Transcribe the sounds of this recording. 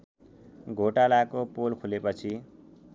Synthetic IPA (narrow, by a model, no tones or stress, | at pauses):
ɡʱoʈalakopolkʰulepʌt͡sʰi